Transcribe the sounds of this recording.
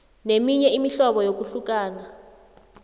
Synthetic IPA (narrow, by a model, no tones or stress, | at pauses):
nemiɲɛimiɬɔɓɔjok̬uɬuk̬aːna